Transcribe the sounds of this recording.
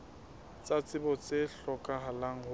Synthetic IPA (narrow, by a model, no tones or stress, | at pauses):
t͡sʼat͡sʼɪbɔt͡sʼeɬɔkʼaɦalaŋ̩hʊ